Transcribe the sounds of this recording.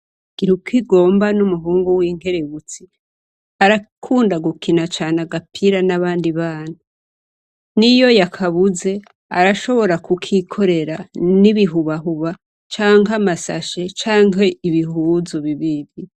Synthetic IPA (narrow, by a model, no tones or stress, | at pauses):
ɡ̥iɾukʰiɡo̞ːmbanumuɦuːŋɡuwiːŋɡe̞ɾe̞βut͡si | aɾakʰuːndaɡukʰinat͡ʃaːnaɡapʰiɾanaβaːndiβaːna | nijo̞jakʰaβuze̞ | a̰ɾaʃo̞βo̞ɾakukʰikʰo̞ɾe̞ɾaniβiɦuβaɦuβa | t͡ʃaːŋɡamasa̰ʃe̞t͡ʃaːŋɦe̞iβiɦuzuβiβiɾi